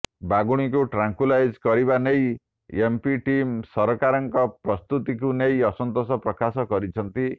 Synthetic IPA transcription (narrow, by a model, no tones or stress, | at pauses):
baɡuɽ̃ik̬uʈɾaŋkulajd͡ʒkɔɾibanej | empiʈimsɔɾɔkaɾɔŋkɔpɾɔst̪ut̪ikunejɔsɔnt̪ɔsɔpɾɔkasɔkɔɾit͡ʃʰɔnt̪i